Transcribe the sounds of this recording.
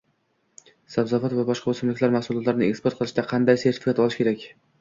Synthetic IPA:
sabzɒvat̪vabɒʃqɑosɪmlɪkʲlaɾmahsʊlˠɒt̪laɾɪnɪekspoɾt̪̚qʰɨlˠɪʃd̪aqʰɑnd̪ajse̞ɾt̪ʰɪ̥fɪkʰʲat̪ɒlˠɪʃkʲeɾakʲ

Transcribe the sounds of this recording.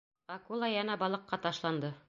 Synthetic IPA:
ɑkulˠɑjɑnɑbɑlˠɤ̆qːɑt̪ɑʃlˠɑnd̪ɤ

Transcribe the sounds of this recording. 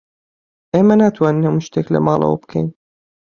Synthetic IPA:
ʔeːmɐnaːt̪ʰwaːninhɐmuʃt̪eklɐ̰mɑːlˠɐ̰wɐ̰bkʰɛjn

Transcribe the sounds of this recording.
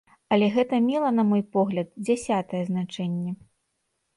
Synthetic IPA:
ɐlʲɛɣɛt̪ɐmʲilˠɐnɐmɔjpɔɣlʲɐd̪̚d͡zʲasʲat̪ɐjɛznat͡ʂɛnʲːɛ

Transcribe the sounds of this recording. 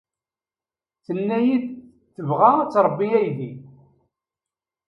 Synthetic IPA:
θənːæjid | θːəvʁat͡sːɾˤəbːiæjði

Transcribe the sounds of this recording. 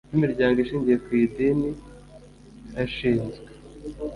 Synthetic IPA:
imiɾɟaːŋɡoiʃiːɲɟije̞kwiːdini | aʃiːnzɡwe

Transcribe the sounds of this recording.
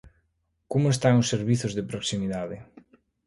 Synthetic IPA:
kumoest̪aŋosːeɾβiθozðepɾoksimiðaðe

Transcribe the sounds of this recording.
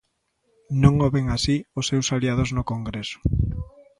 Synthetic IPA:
nõŋoβeŋasiosːewsaliað̞oznokoŋɡɾesʊ̥

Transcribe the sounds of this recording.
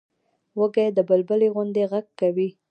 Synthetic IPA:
wəɡajd̪əbəlbəleɣʊnd̪eɣaɡ̚kawi

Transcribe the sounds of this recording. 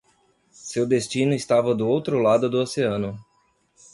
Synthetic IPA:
sewd̪est͡ʃĩnʊɪst̪avɐd̪ʊowt̪ɾʊlad̪ʊd̪ʊoseɐ̃nʊ

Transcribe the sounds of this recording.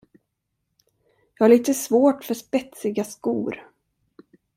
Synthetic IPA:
jɑːɡhaɭiːt̪əsvoːʈfœʂpɛt̪sɪɡaskṵːɾ

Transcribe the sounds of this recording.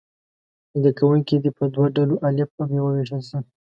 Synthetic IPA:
nid̪akawuŋkid̪ipəd̪waɖaloʔalɪfamjewəweʃəlsi

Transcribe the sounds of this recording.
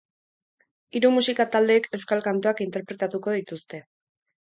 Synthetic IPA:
iɾumusikat̪ald̪e̞ːke̞wskalkant̪oakint̪e̞ɾpɾe̞t̪at̪uko̞ðit̪ust̪e̞

